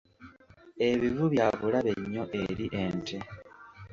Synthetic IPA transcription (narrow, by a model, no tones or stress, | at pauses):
e̞βivuβjaβulaβeɲːo̞ʔe̞ɾiʔe̞ːntʰe